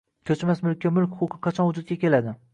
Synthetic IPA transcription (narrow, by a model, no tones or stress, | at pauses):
kʲʰɵt͡ʃmasmʊlkʲʰːamʊlkʲχoqʰɨqʰɑt͡ʃʰɒnʊd͡ʒʊd̪̚ʲakʲʰe̞lad̪ɪ